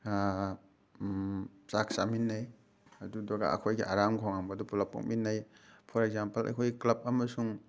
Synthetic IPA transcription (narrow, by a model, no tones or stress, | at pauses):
sak̚saminːaj | adudɔɡa̰ɐ̰kʰojɡiʔaɾamkʰɔŋaŋbɐdɔpulapɔ̰k̚minːajpʰɔɾeɡ̚zampɐla̰jkʰojɡiklɐp̚ɐmɐsuŋ